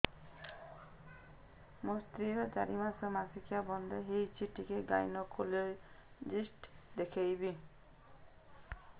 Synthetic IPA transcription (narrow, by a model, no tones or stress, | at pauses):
mɔst̪ɾiɾɔd͡ʒaɾimasɔmasikʰijabɔnd̪eɦejt͡ʃʰiʈikeɡa̰jnɔkole | d͡ʒisʈd̪ekʰejbi